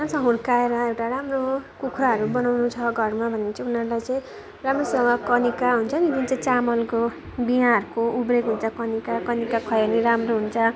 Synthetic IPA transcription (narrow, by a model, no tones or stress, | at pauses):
asʰʌ̃ɦurkaeɾʌewʈaɾamrokukʰraɦʌɾubʌnawnut͡sʰʌɡʱʌrmabʱʌnet͡sʌ̃unʌɾulajt͡sʌĩ | ramrosewakʌnikaɦunt͡sʰʌnid̪int͡sʌĩt͡samʌlko | biɦãʌrkoʔubɾekɦunt͡sʰʌkʌnikakʌnikakʰʌjʌniɾamroɦunt͡sʰʌ